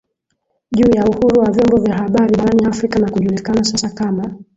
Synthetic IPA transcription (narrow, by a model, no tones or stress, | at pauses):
ʄuːjauhuɾuwavjɔmbɔvjaɦaɓaɾiɓaɾaniafɾikanakuʄulikanasasakama